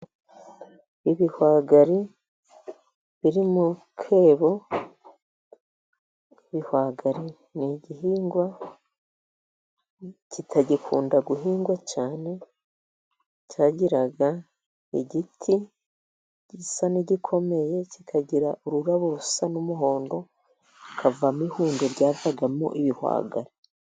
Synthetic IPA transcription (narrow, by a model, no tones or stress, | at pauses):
iβihwaːɡaɾi | βiɾimu | kʰe̞ːβo̞ | iβihwaːɡaɾi | niɟiɦiːŋɡwa | citʰaɟikʰṵːndaɡuɦiːŋɡwat͡ʃaːne̞ | caːɟiɾaɡa | eɟitʰi | ɟisaniɟikʰo̞me̞je̞cikʰaɟiɾaʔuɾuɾaβoɾusanumuɦo̞ːndo̞ | kʰavamihuːndeɾɟaːvaɡamo̰ʔiβihwa̰ːɡa̰ɾi